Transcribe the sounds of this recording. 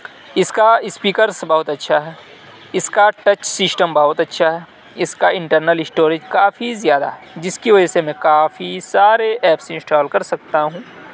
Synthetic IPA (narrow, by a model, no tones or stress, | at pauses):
ɪskaɪspiːkəɾsbɐɦʊt̪ɐtːʃʰaɦɛː | ɪskaʈɐt͡ʃsɪsʈəmbɐɦʊt̪ɐtːʃʰaɦɛː | ɪskaɪ̃ɳʈəɾnəlɪsʈoːɾɪd͡ʒkaːfizjaːd̪a̰ɦɛd͡ʒɪskiʋɐd͡ʒəsemɛ̃kaːfisaːɾeʔɛːpsɪɪ̃nsʈɔːlkɐɾsɐk̚t̪aɦũː